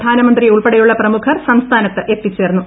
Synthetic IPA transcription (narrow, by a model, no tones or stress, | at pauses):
d̪ʱaːnɐmɐnd̪rieuɭpeɽɐjuɭːɐprɐmukʰɐrsɐmst̪ʰaːnɐt̪ːɨʔe̞t̪ːit͡ɕːe̞ːɾnːu